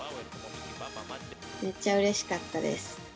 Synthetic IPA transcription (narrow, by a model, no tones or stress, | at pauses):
meːaɯ̟ɾe̞ɕi̥kat̪ːad̪e̞̰sɨ̥